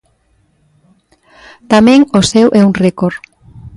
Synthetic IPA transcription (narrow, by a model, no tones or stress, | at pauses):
t̪amẽŋosɛwʔɛuŋrekoɾ